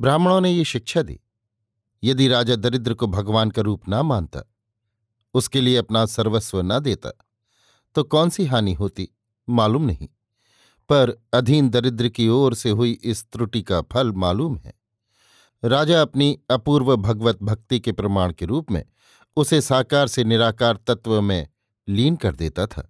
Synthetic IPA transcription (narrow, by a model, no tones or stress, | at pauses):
bɾaːmɽ̃õnejeʃɪkʃad̪ḭː | jɐd̪iɾaːd͡ʒad̪ɐɾɪd̪ɾəkobʱɐɡʋaːnkaɾuːpnɐmaːnt̪a̰ | ʊskelieɐpnasɐɾʋəsʋənɐd̪eːt̪a̰ | t̪okɔːnsiɦaːniɦoːt̪i | maːluːmnɐɦḭ̃ | pɐɾɐd̪ʱiːnd̪ɐɾɪd̪ɾəkioːɾseɦʊiʔɪst̪ɾʊʈikapʰɐlmaːluːmɦɛ̰ː | ɾaːd͡ʒaɐpniɐpuːɾʋəbʱɐɡʋət̪̚bʱɐk̚t̪ikepɾɐmaːɽ̃keɾuːpmḛ̃ | ʊsesaːkaːɾsenɪɾaːkaːɾt̪ɐt̪ʋəmẽ | liːnkɐɾd̪eːt̪at̪ʰa̰ː